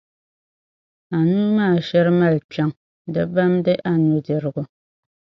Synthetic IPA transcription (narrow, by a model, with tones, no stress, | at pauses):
a˨nuː˦maː˦˨ʃɛ˦ɾɨ˦ma˦˨lt͡ʃa˦ŋ | dɨ˦ba˦mdɨ˦ʔa˦nu˨dɛ˨ɾɨ˨ɡu˦